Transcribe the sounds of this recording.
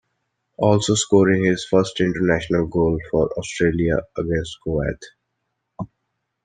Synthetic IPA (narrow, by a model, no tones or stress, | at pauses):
ɔːlsoːskɔːɾɪ̃ŋhɪz̥fʌɾsʈɪ̃ɳʈəɾnæːʃənəlɡoːlfɔɾɔːsʈɾeːliaəɡɛ̃nsʈkoːɛ̰ːt̪ʰ